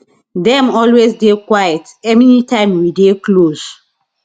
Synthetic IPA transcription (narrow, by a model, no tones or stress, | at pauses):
dɛ̃mɔlwezdekwajɛtɛmɛnitʰãɪ̃mwidekloz